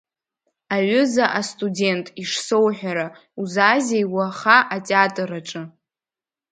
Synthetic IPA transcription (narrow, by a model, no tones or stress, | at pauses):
aɥʷʊzaʔastʼudʲe̞ntʼiʂsowħʷᶣaɾa | uzazejwaχaʔatʼeatʼɨɾaʈ͡ʂʼɨ